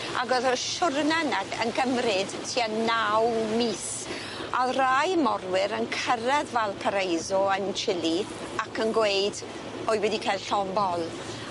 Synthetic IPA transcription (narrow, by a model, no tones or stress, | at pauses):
ʔa̰ɡɔðɔʃʊrnanaə̰nkəmrɪd̥tʰianawmiːs | ʔarajmɔrwɪɾənkʰəɾɛðvɛlˠpʰaɾejzɔənt͡ʃʰɪli | akʰənɡwejd | ɔɨwɛdikʰajlˠɬɔmbɔlˠ